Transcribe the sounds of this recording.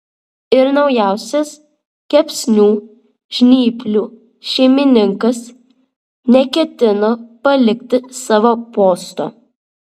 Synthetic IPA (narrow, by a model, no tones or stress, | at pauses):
ɪɾnɒʊjæˑʊsʲɛs | kʲɛpʲsʲnʲuː | ʒ̥ʲnʲiːpʲlʲuː | ʃʲɛɪmʲɪnʲɪŋkɐs | nʲɛkʲɛt̪ʲɪnoːpɐlʲɪkʲt̪ʲɪsɑːʋoːpoːst̪o̰ː